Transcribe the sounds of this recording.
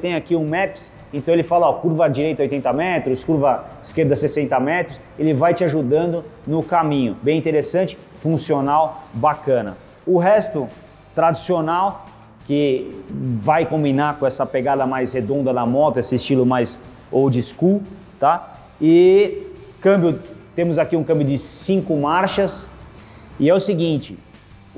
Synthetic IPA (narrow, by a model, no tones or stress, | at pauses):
t̪ẽj̃akiũmɛps | ẽt̪ɐ̃w̃elɪfalɐɔkuɾvɐd͡ʒiɾejt̪ɐojt̪ẽnt̪ɐmɛt̪ɾʊskuɾvɐiskeɾd̪ɐsesẽnt̪ɐmɛt̪ɾʊs | elɪvajt͡ʃɪaʒud̪ɐ̃nd̪ʊnʊkamĩɲʊbẽj̃ĩt̪eɾesɐ̃nt͡ʃɪ̥ | fũsionawbakɐ̃nɐ̰ | ʊɦɛst̪ʊ | t̪ɾad͡ʒisionaw | kɪ | vajkõbinaɾkõɛsɐpeɡad̪ɐmajshed̪õnd̪ɐd̪ɐmɔt̪ʊesɪːst͡ʃilʊmajz | owd͡ʒɪsku | t̪a | ɪ | kɐ̃mbjʊt̪ẽmʊzakiũkɐ̃bjʊd͡ʒɪsĩŋkʊmaɾʃɐs | ɪɛʊsɪɡĩnt͡ʃɪ